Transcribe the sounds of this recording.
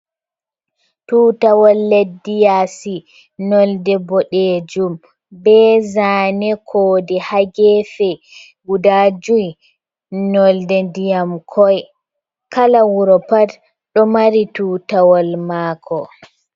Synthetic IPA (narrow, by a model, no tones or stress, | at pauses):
tuːtawɔlːedːijasi | nɔldɛbɔɗed͡ʒum | bɛzaːnɛkʰoːdɛhaɡɛfɛ | ɡudad͡ʒuj | nɔldɛndijamkʰɔj | kalawuɾɔpad | ɗɔmaɾituːtawɔlmaːkʰɔ